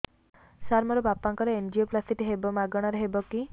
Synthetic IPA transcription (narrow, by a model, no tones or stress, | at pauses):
saɾmɔɾɔbapaŋkɔɾeend͡ʒioplasiʈiɦebɔmaɡɔɽ̃ɔɾeɦebɔki